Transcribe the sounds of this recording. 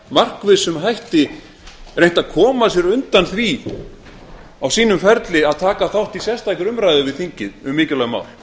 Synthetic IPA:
mar̥kvɪðsʏmɦajht̪ɪ | ɾejŋ̥t̪aðkʰɔːmasjɛɾʏnt̪anθvi | awsiːnʏmfɛɾt̪lɪaðt̪ʰaːkaθawht̪isjɛst̪ajkʏɾʏmɾajðʏvɪðθiɲcɪðʏmːɪːcɪlœɣma̰ːwl

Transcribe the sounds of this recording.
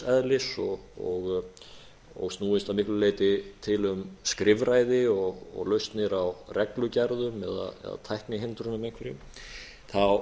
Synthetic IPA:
ɛðlɪsɔɣɔɣ | ɔ̰ɣst̪nuːɪst̪aðmɪhklʏleːjt̪ɪt̪ʰɪlʏmskɾɪvɾaːjðɪɔɣɔ̰ɣlœɥst̪nɪɾawrɛklʏcaɾðʏmɛða̰ðmɛ̰ða̰t̪ʰajhknɪɦɪnt̪ɾʏnʏmẽjŋ̥kʰvɪɾɪ | θaw

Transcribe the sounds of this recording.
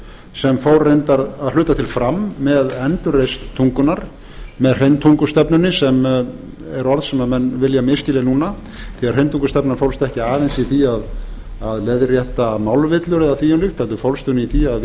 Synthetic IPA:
sɛmfowɾːejnt̪aɾaðlʏːt̪at̪ʰɪlfɾamːɛðɛnt̪ʏɾest̪ʰːuŋkʏnaɾ̥ | mɛðr̥ejnt̪ʰuŋkʏ̥st̪ɛpnʏnːɪsɛm | ɛɾɔɾðsɛmnamɛnvɪljamɪscɪlɪnuːna | θiaɾrejnt̪ʰuŋkʏst̪ɛpnaɾfowlst̪ɛhcɪaːðɛnsiθiaðaðlɛðrjɛht̪amawlvɪt̪lʏɾɛðaθiːʏnlɪxt̪ʰalt̪ʏfowlst̪ʏniθiað

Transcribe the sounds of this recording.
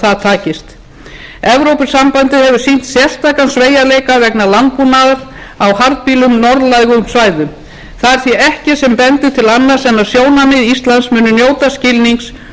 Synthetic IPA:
θaðt̪ʰaːcɪst̪ | ɛvɾowpɪsampant̪ɪðhɛvʏ̥sin̥t̪sjɛ̥st̪ʰaːkansveːjaleːjkavɛknalant̪̚punaðaɾ | awhaɾt̪̚piːlʏmnɔɾðlajɣʏmsvaːjðʏ | θaðɛɾ̥θviɛhcɪsɛmpɛnt̪ɪt̪ʰɪlanːaɾ̥sɛnːaðsjoːwnamɪðist̪lansmʏnːʏnjoːwt̪ascɪlniŋks

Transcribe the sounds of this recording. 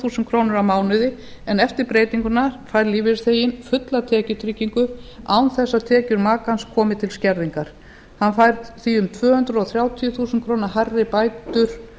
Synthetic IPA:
θuːsɪnt̪̚kʰɾownʏɾawmaːwnɪðɪ | ɛnɛft̪ɪɾpɾeːjt̪iŋkʏnaɾfajɾliːvɪθeːjɪnfʏt̪lat̪ʰɛːcʏt̪ʰɾicːiŋkʏaːwnθɛsːat̪ʰɛːcʏɾmaːkanskʰɔːmɪt̪ʰɪlscɛɾðiŋkaɾ̥ | hanfajɾθiʏmt̪ʰvœːhʏnt̪ɾɔɣθɾjaːwt̪ʰijʏθuːsʏnkʰɾoːwnaɦaɾðɪpaːjt̪ʏɾ̥

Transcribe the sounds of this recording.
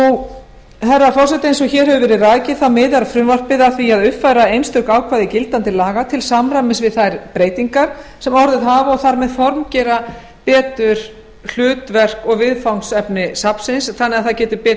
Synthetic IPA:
u | θɛrːafɔrsɛt̪ejnsɔɣçɛːɾ̥hɛvʏvɛːɾɪraːjcɪθawmɪːðaɾafɾʏmvar̥pɪðaθviaðʏpfajɾaejnst̪ʏhkaːwkʰvajðɪcɪlt̪ant̪ɪlaːɣat̪ʰɪlsamɾamɪsvɪðθajɾpɾeːjt̪iŋkaɾ̥sɛmɔɾðɪðɦaːvaɔɣθaɾmɛðfɔɾmcɛɾa | pɛːt̪ʏɾ̥ | l̥ʏːt̪vɛr̥kɔɣvɪðfawnsɛpnɪsapsɪnsθanːɛɣaðθacɛːt̪ʏpɛː

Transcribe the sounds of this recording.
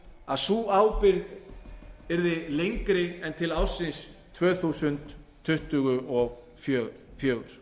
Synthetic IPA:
aðsuːaːwpɪɾð | ɛɾðɪlejŋkɾɪɛnt̪ʰɪlaːwsɪnst̪ʰːvœːθusʏnt̪ʰː | ʏht̪ʏɣʏʔɔɣ | fjœːɣ | fjœːɣʏɾ̥

